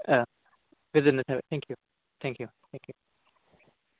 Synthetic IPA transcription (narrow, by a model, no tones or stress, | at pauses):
ʌ | vɪzɨn̩ðɨtʰɛbɨt̪̚θæ̃ŋkʰjʉ | θæ̃ŋkʰjʉθæ̃ŋkʰjʉ